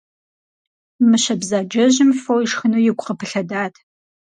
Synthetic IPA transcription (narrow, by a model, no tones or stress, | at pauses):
mɨɕɐbzaːd͡ʒɐʑɪmfowiʃxɨnuːjɪɡʷʼqəpʰɨɬɐdaːtʰ